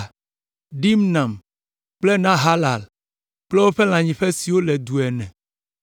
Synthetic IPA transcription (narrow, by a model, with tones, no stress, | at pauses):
ɖi˦mnã˨m | k͡plɛ˦nã˦ɦa˦la˨l | k͡plɛ˦wo˦ɸe˦l̃ã˨ɲĩ˨ɸɛ˦si˨wo˦lɛ˨d̪u˨ɛ˨nɛ̰̃˨